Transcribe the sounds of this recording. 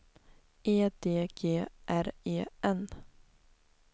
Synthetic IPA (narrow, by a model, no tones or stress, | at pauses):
ʔeːd̪eːɡ̥eːʔæɾeːɛn